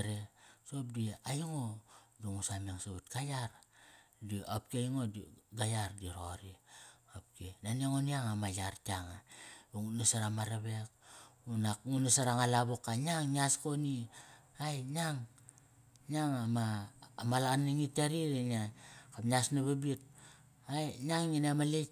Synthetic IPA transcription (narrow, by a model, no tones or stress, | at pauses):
ɾeso̞p̚diajuŋodoŋusameŋsautkajaɾ | diap̚kiajŋodɡajaɾdiɾoɾiop̚kenaniaŋoniaŋamajaɾtaŋaboŋunasaɾamaɾaβek̚unakŋunasaɾaŋalaβukaɲaŋɲiaskoniajɲaŋ | ɲaŋamaːmalanːiŋitaɾiɾenakapɲasnaβabit̚ | ajɲaŋɲinamale